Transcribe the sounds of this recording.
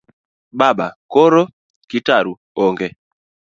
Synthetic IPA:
ɓaɓakoɾo | kitaɾu | ɔŋɡɛ

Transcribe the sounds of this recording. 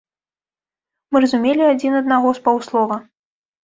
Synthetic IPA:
mɨrɐzumʲelʲiad͡zʲinɐd̪̚naɣɔspawslˠɔvɐ

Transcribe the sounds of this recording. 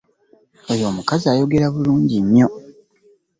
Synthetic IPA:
ojo̞ːmukaziaːjo̞ɡe̞ɾaβuluːɲɟiɲjo̞

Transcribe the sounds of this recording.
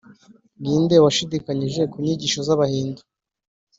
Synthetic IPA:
ŋɡiːnde̞waʃidikaɲiʒe̞kuɲiɟiːʃozaβahiːndu

